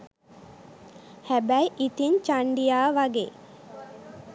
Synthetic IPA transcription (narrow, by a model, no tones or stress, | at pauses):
hæbæjʔit̪iɲt͡ʃaɳɖijaːʋaɡḛː